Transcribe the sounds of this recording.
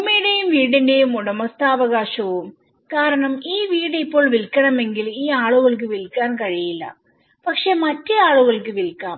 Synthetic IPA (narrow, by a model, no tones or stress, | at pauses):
mːiɽejumʋiːɽinde̞jumuɽɐmɐst̪ʰaːʋɐɣaːʂɐʋum | kaːɾɐɳɐmiːʋiːɽipːo̞ːɭʋilkːɐɳɐme̞ŋɡiliːaːɭuɣɐɭk̬ɨʋilkːaːnkɐɻijilːɐ̰ | pɐkʂe̞ːmɐtːeaːɭuɣɐɭkɨʋilkːaːm